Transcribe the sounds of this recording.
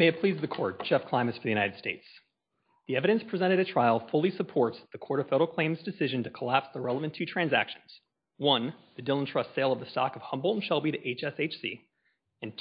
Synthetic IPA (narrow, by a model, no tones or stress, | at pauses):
meɪɨpʰl̥izðɨkʰɔɹt̚d̥ʒ̥ɛfkʰl̥ãɪ̃mɨsfə˞ðɨjʉnaɪɾɨd̥steɪts | ðiɛvɨɾɨ̃nspʰɹ̥izɛ̃ɾ̃ɨɾɨtʰɹ̥aɪlˠfʊlˠisəpʰɔɹtsðɨkʰɔɹɾʌv̥fɛɾə˞l̩ˠkʰl̥ẽɪ̃mzdɨsɪʒɨ̃ntʰɨkʰəlæpsðəɹɛlˠəvɨ̃ntʰʉtʰɹ̥æ̃nzæ̰kʃɨ̃n̩z̥ | wʌ̃nðɨdɪlˠə̃ntʰɹ̥ʌstseɪlˠʌvðɨstɑ̰kʌv̥hʌ̃mbl̩ˠn̩ʃɛlˠbiɾɨʔeɪt͡ʃɛseɪt͡ʃsḭ | ɨ̃n